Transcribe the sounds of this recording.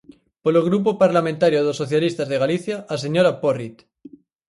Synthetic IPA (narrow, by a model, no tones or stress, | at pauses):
poloɣ̞ɾup̬opaɾlamẽnt̪aɾjoðosːoθjalist̪azðeɣaliθjaʔːs̬eɲoɾaporit̪